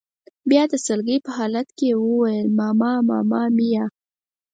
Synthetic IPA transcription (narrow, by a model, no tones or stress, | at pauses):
bjɑd̪əsəlɡəjpəhɑlat̪kewəwajəlmɑmɑmɑ̰mɑmija